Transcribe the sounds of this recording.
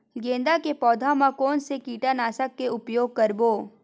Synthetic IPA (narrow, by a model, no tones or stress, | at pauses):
ɡẽːnd̪akepɔːd̪ʱamãkoːnsekiːʈanaːsakːeʊpjoːɡ̚kɐɾboː